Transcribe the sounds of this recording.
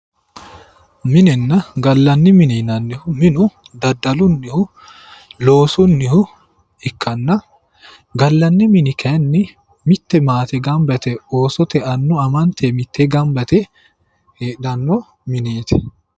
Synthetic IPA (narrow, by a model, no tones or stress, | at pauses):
mɪnɛnːɐɡɐlːɐnːɪmɪnɛnɐnːɪhʊmɪnʊ | d̪ɐd̪ːɐlʊnːɪhʊ | lo̞ːsʊnːɪhʊ | ɪkːɐnːɐ | ɡɐlːɐnːɪmɪnɪkʰɐnːɪ | mɪt̪ːɛmaːt̪ɛɡɐmbɐt̪ɛo̞ːsɔt̪ɛɐnːɔɐmɐnt̪ʰemɪt̪ːɛɡɐmbɐt̪ɛ | heːᶑɐnːɔ | mɪneːt̪ɛ̥